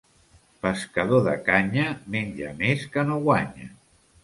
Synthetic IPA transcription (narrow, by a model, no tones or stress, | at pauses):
pəskəðoðə̰kaɲəmeɲʲd͡ʒə̰meskənoɣwaɲə̰